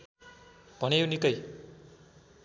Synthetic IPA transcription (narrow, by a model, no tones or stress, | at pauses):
b̥ʱʌnewnikʌj